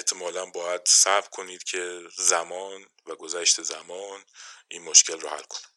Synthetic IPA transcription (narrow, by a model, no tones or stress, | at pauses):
eht̪ʰemɒːlænbɒːjæd̪sævkʰo̞niːd̪̥cʰe̞zæmɒːn | væɡo̞zæʃt̪ʰezæmɒːnʔiːnmoʃcʰe̞lrɔhæ̰lkʰone̥